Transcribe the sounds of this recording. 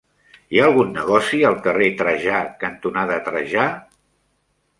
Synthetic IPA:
iaːlˠɣunːəɣɔsiəlˠkəret̪ɾəʒakənt̪unaðət̪ɾəʒa

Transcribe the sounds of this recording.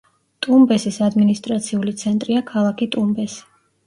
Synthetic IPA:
t̪ʼumbɛsisad̪minist̪ʼɾat̪sʰiulit̪sʰɛnt̪ʼɾiakʰalˠakʰit̪ʼumbɛsi̥

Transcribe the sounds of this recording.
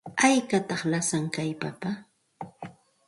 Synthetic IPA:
ajkat̪ɑχlasaŋkajpapa

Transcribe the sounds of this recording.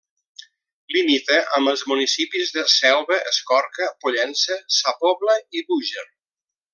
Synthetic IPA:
limit̪əʔəməlˠzmunisipizðəsɛwβəʔəskɔɾkəpuʎɛnsəsapoβləiβuʒər

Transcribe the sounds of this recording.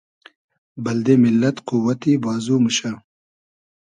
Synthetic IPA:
bɐld̪emɪlːɐt̪quwɐt̪ibɑːzuməɕa

